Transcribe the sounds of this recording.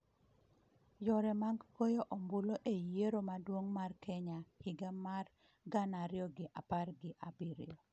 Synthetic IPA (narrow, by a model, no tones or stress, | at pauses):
jɔɾɛmaŋɡkojɔʔɔmbʊloʔejeɾomadwoŋmarkʰɛɲahɪɡamar | ɡanaɾjɔɡɪʔa̰parɡɪʔabiɾɪ̰o